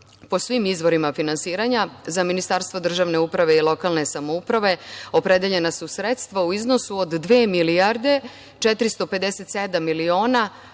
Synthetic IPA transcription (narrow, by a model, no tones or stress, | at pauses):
po̞sʋimizʋo̞ɾimafinansiːɾaɲazaminist̪aɾst̪vʋo̞d̪r̩ʒaːʋne̞upɾaʋe̞ilo̞kalˠne̞samoupɾaʋe̞o̞pɾed̪eʎe̞nasusɾet̪st̪ʋauizno̞suod̪ːʋeːmiliaɾd̪e̞ | t͡ʃet̪ɾist̪o̞pe̞d̪eset̪sed̪amːilio̞ːna